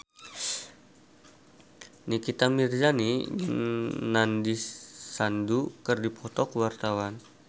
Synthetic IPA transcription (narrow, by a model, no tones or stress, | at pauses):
nikit̪amird͡ʒaniɲəŋnandisandukərdipʰɔt̪ɔkwart̪awan